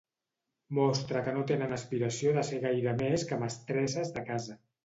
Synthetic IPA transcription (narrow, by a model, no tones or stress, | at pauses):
mɔst̪ɾəkənot̪enənəspiɾəsioðəseɣ̞ajɾəmeskəməst̪ɾɛsəzðəkazə